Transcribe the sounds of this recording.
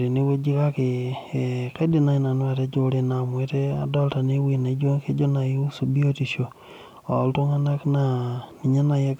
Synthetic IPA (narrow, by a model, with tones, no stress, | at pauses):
ɾi˨nɪ˦we˦d͡ʒi˦ka˦kɪ˨ | ka˦di˨na˦i˦na˨n˦wa˨te˦d͡ʒo˦ɾe˦na˨mwe˦te˦a̰˨dɔ˦lta˨nɪ˦wi˨na˨˦d͡ʒo˦ŋke˦d͡ʒo˦na˨ji˦u˦su˨bi˦o˦ti˨ʃo˨ | ɔ˨lto˦ŋa˦na˦kna˨ni˨ɲa˦na˨je˦k